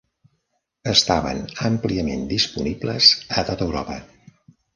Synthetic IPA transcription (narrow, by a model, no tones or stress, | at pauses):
əst̪aβə̰nəmpliəmend̪ispunibləz̥ət̪ot̪əwɾɔpə